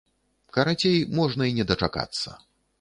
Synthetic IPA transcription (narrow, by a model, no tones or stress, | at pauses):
kɐɾat͡sʲejmɔʐnɐinʲɛd̪ɐt͡ʂaka̰t̪sːɐ̰